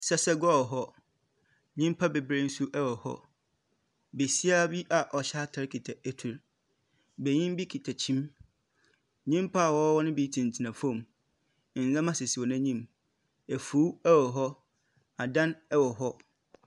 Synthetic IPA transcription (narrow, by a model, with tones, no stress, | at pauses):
sɛ˦sɛ˦ɡɔ˦wɔ˨ɦɔ˦ | ɲĩ˦m˦pʰa˦be˨bɾe˦n̩˦su˦ʔɛ˦wɔ˨hɔ̰˦ | be˨si˦a˦bi˦ʔa˨ʔɔ˨ɕa˦tʰa˦ɾkʰi˨tʰa˨æ˦tʰu˨ɾ | be˨ɲĩ˦mbi˦kʰi˨tʰa˨t͡ɕʰĩ˦m | ɲĩ˦mpʰa˦a˨wɔ˦wɔ˦nɪ̃˦bɛ˨˦i˦tʰĩ˨n˨tʰi˨nã˨fõ˨m˨ | n̩˨zã˦mã˦sɪ˨si˨ɔ˨nã˦ɲĩ˦m | æ˨fu˨˦ɛ˦wɔ˨ɦɔ˦ | a˨dã˦nɛ˦wɔ˨ɦɔ˦